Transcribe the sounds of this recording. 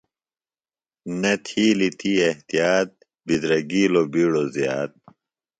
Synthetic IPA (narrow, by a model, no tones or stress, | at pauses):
nɐt̪ʰiːlit̪ʰieht̪ijaːt̪̚ | bid̪ɾɐɡiːlobiːɽozjaːt̪̚